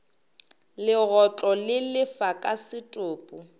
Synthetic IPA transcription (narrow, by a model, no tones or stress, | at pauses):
lɪɣɔt͡ɬʼɔlɪlɪfakʼasɪtʼʊːpʼʊ